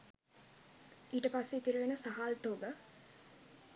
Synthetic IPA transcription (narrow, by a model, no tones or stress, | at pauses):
iːʈəpasːeit̪iɾuʋenəsaɦaːlt̪oːɡə